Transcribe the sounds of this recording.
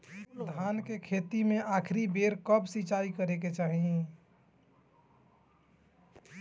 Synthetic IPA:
d̪ʱankekʰet̪imẽʔakʰɾibeɾkəbsit͡ʃaikəɾeket͡ʃaɦi

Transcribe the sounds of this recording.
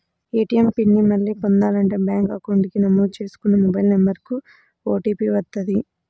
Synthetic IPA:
eːʈiempinːimɐlːiːpond̪aːlɐɳʈeːbjaːŋkɐkoɳɖikinɐmːuːt͡ʃe̞ːsu̥kunːɐmɔbɐjlnembɐɾiku | oːʈiːpiːʋɐt̪ːɐd̪i

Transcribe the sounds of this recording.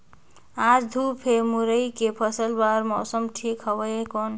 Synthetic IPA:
ad͡ʒd̪ʱupʰemuɾəjkepʰəsəlbaɾmɔsəmʈʰikɦəbəjekon

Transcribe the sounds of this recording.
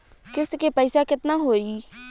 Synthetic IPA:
kɪskeːpəɪsaːkɪt̪naːɦoːiː

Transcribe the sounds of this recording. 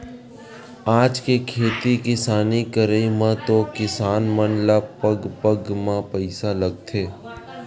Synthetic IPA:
aːd͡ʒkekʰeːt̪ikɪsaːnikəɾəimãt̪okɪsaːnmənlapəɡpəɡmãpəɪsalɐɡ̚t̪ʰeː

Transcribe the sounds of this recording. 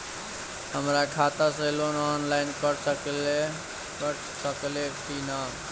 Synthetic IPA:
həmɾakʰaːt̪aseloːnɔːnlaɪnkəɽsle | kəʈ | səklet̪inam

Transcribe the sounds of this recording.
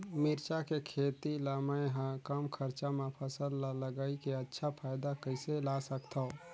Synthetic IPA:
miɾt͡ʃakekʰet̪ilamajɦəkəmkʰəɾt͡ʃamepʰəsəlaləɡaikeətːʃʰapʰajd̪akəɪselasəkt̪ʰəo

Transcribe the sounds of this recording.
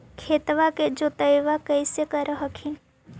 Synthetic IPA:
kʰeːt̪ʋaked͡ʒot̪əjʋakəɪsekəɾəɦəkʰin

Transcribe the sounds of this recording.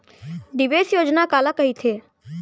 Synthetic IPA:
ɖiʋesjoːd͡ʒnakaːlakəɦit̪ʰeː

